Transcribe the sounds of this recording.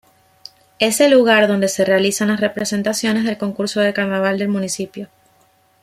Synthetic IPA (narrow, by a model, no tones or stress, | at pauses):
e̞selːuɣaɾðo̞nd̪e̞se̞re̞alisanlasrepɾe̞se̞nt̪asjo̞nezðe̞lko̞ŋkuɾso̞ðekaɾnaβ̞ald̪e̞lmũnisipjo̞